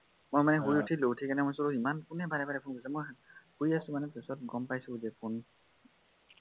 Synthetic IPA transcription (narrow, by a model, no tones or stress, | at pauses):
mojmanɛɦuiutʰilotʰikanɛmojsɔɹuimankunɛbaɹɛbaɹɛpʰonɡosɛmojahuiasʊ̃manɛpesɔt̚ɡɔmpajsuzɛpʰon